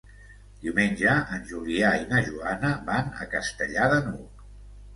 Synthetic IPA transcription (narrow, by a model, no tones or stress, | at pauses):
d̪̥iwmenʲʒəʔənʲʒuliainəʒuanəbanə̰kəst̪əʎaðənuk